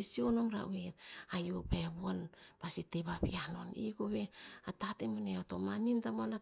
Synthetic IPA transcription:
isionomɾa̰weɾajopaeβuanpasiteβabiano̞̰nḭɡoβe̞atatemaneotomanintamoana

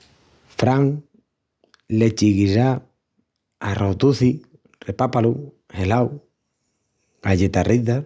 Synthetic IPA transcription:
fɾaŋ | let͡ʃiɣiza | arʔot̪uθi | repapalu | helaw | aʝet̪ariða

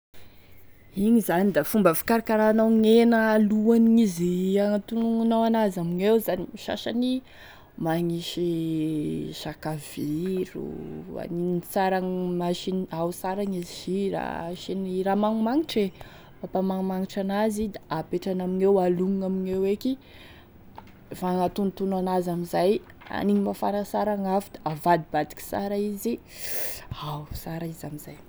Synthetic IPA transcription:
iɲizanid̪afumbəfi̥kaɾakaɾanaiŋenəaluaniiziaŋt̪unuŋnawanazamiŋewzanimiʃa̰ʃani | maŋiʃi | ʃakaviɾṵa̰ninnt͡saɾaŋmaʃinausaɾaŋiziziɾa̰ʃiniɾamaŋumaŋiʈ͡ʂe | bapamaŋumaŋiʈ͡ʂanazid̪aʔapeʈ͡ʂanaminewaluŋŋamineweki | faŋat̪unt̪unanazamizaj | a̰niɲimafaɾasaɾaŋafid̪̥aavad̪ibad̪i̥kʲi̥sa̰ɾaizi | awsaɾaizamizaj

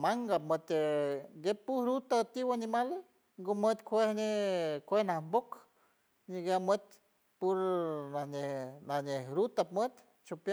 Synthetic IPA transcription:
maŋɡap̚mət̪eɡepːuhɾut̪at̪iwanimale | ŋɡomət̪kʷehnekʷehnahmbok | ɲiɡamət̪̚ | puɾnahnenahnehɾut̪ap̚mət̪ | t͡ʃopja

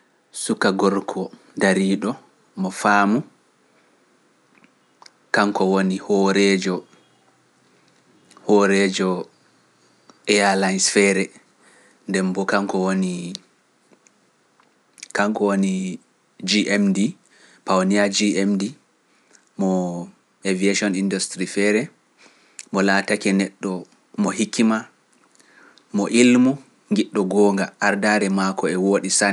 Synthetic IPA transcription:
sukaɡɔɾkʰɔ | daɾiːɗɔ | mɔfaːmu | kaŋkɔwonihɔɾɛd͡ʒɔ | hɔɾɛd͡ʒɔ | ɛalajnsfɛːɾɛ | ndɛmbɔkaŋkɔwoni | kaŋkɔwoni | d͡ʒiʔɛmdi | pawniad͡ʒiemdi | mɔ | evieʃiɔnindustɾifɛɾɛ | mɔlaːtakɛnɛɗːɔ | mɔɦikʰːima | mɔʔilmu | ŋɡiɗːɔɡɔːŋɡaʔaɾdaɾɛmakɔɛwoːɗisan

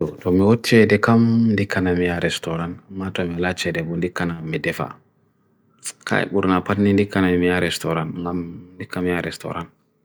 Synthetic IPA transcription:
ɔtomiwɔt͡ʃːɛdɛkamndikanamijaɾɛstɔɾanmatomilat͡ʃɛdɛbundikanamidɛfa̰ | ka̰ḭɓuɾnapatnindikːanamijaɾɛstoɾanŋɡamndikːamijaɾɛstɔ̰ɾan

